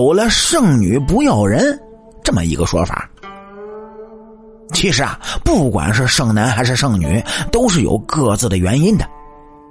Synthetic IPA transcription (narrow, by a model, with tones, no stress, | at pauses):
ʊlə˧ʂɤ˥˩ŋny˨˩pu˧˥jɑ˨˩ʊɻə˧˥n | ʈ͡ʂɤ˥˩mə̰˩ḭ˧˥ɡə˧ʂwɔ̰˥fa̰˨˩˦ | t͡ɕʰi˧˥ʂɻ̩˧˥ɐ̰˧pu˥˩kwa̰˨˩nʂɻ̩˥˧ʂɤ˥˩ŋna˧˥nxa˧˥ɪʂɻ̩˥˧ʂɤ˥˩ŋny̰˨˩˦t̪o˥ʊʂ̬ɻ̩˥˩jo̰˨˩ʊkɤ˥˧t͡sɹ̩˥˩d̪ə˩ɥɛ˧˥ni˥nd̪ə˨